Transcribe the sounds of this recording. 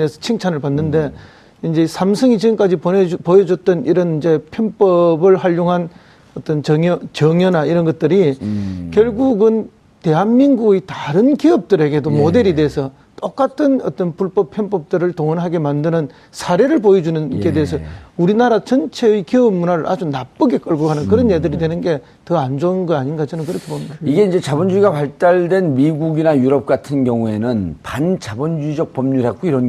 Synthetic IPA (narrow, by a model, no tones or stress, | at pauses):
nesʰʌ̥t͡ɕʰiŋt͡ɕʰanɯɭpanːɯnde̞ | ind͡ʑe̞sʰamsʰɯŋit͡ɕiɡɯmk͈ad͡ʑiponepojʌd͡ʑʌt͈ʌniɾʌnind͡ʑe̞pʰjʌnp͈ʌbɯɭhaʎjoŋɦan | ʌt͈ʌnt͡ɕʌʌt͡ɕʌŋjʌnaiɾʌnɡʌt̚t͈ɯɾikjʌɭɡuɡɯn | te̞ɦanmiŋɡuɡetaɾɯnkiʌp̚t͈ɯɾe̞ɡe̞domode̞ɾide̞ɦːsʰʌ | t͈ok͈atʰɯnʌ̰t͈ʌnpuɭp͈ʌpʰjʌnp͈ʌp̚t͈ɯɾɯɭtoŋʌnɦaɡe̞mandɯnɯn | sʰaɾe̞ɾɯɭpojed͡ʑunɯnɡe̞deːs̬ʰʌuɾinaɾat͡ɕʌnt͡ɕʰe̞ɯikiʌmunaɾɯɾʔad͡ʑunap͈̚ɯɡe̞k͈ɯɭɡoɡanɯnkɯɾʌnjedɯɾidwe̞nɯnɡe̞ | tʌand͡ʑonɡʌaɲinɡad͡ʑinɯnkɯɾʌkʰe̞bomidaiɡe̞ind͡ʑe̞t͡ɕabʌnd͡ʑuiɡapaɭt͈aɭdwe̞nmiɡuɡinajuɾʌp̚k͈atʰɯnɡjʌŋue̞nɯnpant͡ɕabʌnd͡ʑuid͡ʑʌk̚p͈ʌmɲuɾɦek͈oiɾʌn